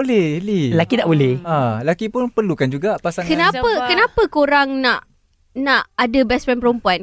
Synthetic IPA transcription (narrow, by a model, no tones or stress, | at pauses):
bolɛlilakidaʔbolɛhalakipʊnpərlukand͡ʒuɡapasankənapəkənãpəkoɾaŋnãʔ | naʔadəbɛspɛnpəɾompuan